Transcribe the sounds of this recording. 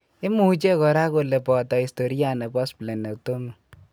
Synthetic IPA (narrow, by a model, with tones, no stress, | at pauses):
e˦mu˦u˦t͡ʃe˦kɔ˨ɾa˦ko˨le˨pɔ˨tɔ˨i˨sto˨ɾi˦a˦nɛ˨pɔ˦sple˨na˨k̚to˦mu˨